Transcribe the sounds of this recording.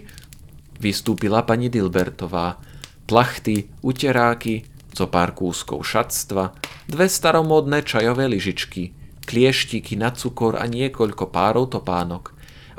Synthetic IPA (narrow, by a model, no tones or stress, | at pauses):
ʋist̪uːpilapaɲid̪ilbɛɾt̪ɔʋaː | plaxt̪i | ucɛɾaːki | z̥ɔpaɾkuːskɔ̰ʊʃat̪st̪ʋad̪ʋɛst̪aɾɔmɔːd̪nɛːt͡ʃajɔʋɛːliʒit͡ʃkiklɪɛʃcikinat͡sukɔɾʔa̰ɲɪɛkɔʎkɔpaːɾɔʊt̪ɔpaːnɔk